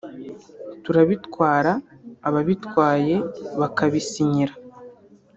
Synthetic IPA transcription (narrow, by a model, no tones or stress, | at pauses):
tuɾaβitwaːɾaːβaβitwaːje̞βakaβisiɲiɾa